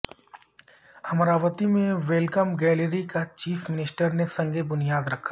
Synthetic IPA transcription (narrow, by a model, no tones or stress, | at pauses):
ɐmɾaːʋət̪imẽʋelkəmɡɛːleɾikat͡ʃiːfʰmɪnɪsʈəɾnesɐ̃ŋɡʱebʊnijaːd̪ɾɐkʰːḁː